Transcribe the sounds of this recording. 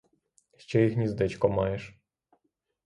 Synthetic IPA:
ʃt͡ɕɛixnʲɛzd̪ɛt͡ɕkɔmɑjɛʃ

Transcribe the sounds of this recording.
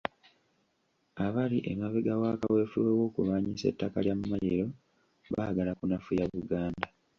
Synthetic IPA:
aβaliʔemaβeɡawaːkawe̞ːfuwewo̞ːkṵβaɲise̞̰tːakaljamumajeɾo̞ | βa̰ɡalakunafujaβuɡaːnda

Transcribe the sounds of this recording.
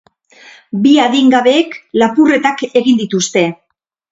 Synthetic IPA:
biaðiŋɡaβe̞ːklapure̞t̪ake̞ɣind̪it̪ust̪e̞

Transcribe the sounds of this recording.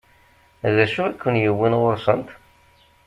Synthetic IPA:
ðæʃuækʰʷːənjəwːinʁoɾsˤənt̪

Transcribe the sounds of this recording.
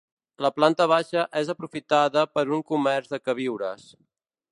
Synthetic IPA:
ləplant̪əβ̞aʃəʔezəpɾufit̪aðəpəɾuŋkumɛɾzðəkəβiwɾəs

